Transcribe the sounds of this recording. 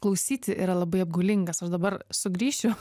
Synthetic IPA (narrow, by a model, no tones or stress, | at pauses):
klˠɐʊsʲiːt̪ʲɪʔḭɾɐlˠɐbɐɪɐb̚ɡʊlʲɪŋɡɐsɐʃd̪ɐbɐrsʊɡɾʲiːʃʲt͡ʃʲʊ